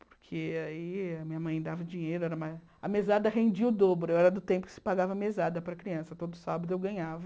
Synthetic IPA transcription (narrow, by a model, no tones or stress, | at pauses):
po̥ɾkʰeaiɐmĩɲɐmɐ̃j̃d̪avɐd͡ʒĩɲejɾʊɛɾɐmaz | ɐmezad̪ɐɦẽnd͡ʒiɐʊd̪obɾʊewɛɾɐd̪ʊt̪ẽmpʊkɪ̥sɪ̥paɡavɐmezad̪ɐpɾɐkɾiɐ̃sɐt̪od̪ʊsabɐd̪ʊewɡɐ̃ɲavɐ